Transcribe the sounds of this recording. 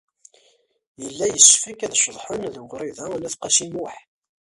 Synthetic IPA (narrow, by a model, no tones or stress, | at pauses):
jəlːæjəsːfikæðʃðˤħʊnðʁɾiðælæθqɑʃimʊħ